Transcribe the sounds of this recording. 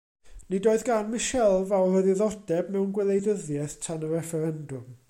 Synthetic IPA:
nidoːɨðɡanmɪʃɛlˠvawrəðɨðɔdɛbmɛwnɡwɛlˠejdəðjɛθtʰanəɾɛfɛɾɛndʊm

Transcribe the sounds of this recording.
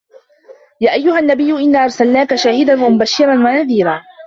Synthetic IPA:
jaːʔajːʊhanːabɪjːʊʔɪnːaːʔɑɾˤsalnaːkaʃaːhɪd̪anwamʊbaʃːɪɾˤɑnwanaðiːɾaː

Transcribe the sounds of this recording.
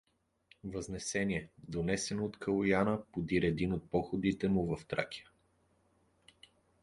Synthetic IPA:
vəznɛsɛnʲiɛd̪onɛsɛnoːt̪kʰəlˠojanəpod̪iɾɛd̪inot̪̚pɔxʊd̪it̪ɛmʊvəft̪ɾa̰kʲi̥ə

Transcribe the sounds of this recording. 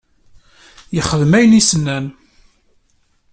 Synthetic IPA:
jəχəðmæjənisənːæn

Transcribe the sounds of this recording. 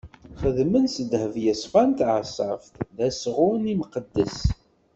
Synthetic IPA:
χəðmənsəd̪həvjəsˤfænt̪ʕsˤɑfθðæsʁʊnimqəd̪ːəs

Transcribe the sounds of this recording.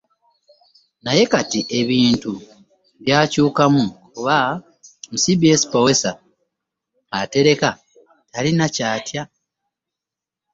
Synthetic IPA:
naje̞katiʔe̞βiːntu | βjaːcuːkamukuβa | musibiesi̥powesa | ate̞ɾe̞ka | talinacaːtja

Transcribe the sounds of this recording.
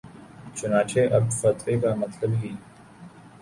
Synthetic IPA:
t͡ʃʊnaːt͡ʃʰeːʔɐb̪̚fɐt̪ɾeːkamɐt̪ləbɦiː

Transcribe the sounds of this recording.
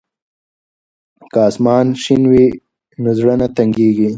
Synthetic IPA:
kɑːsmɑːnʃinwi | nozɽanat̪aŋɡeːɡi

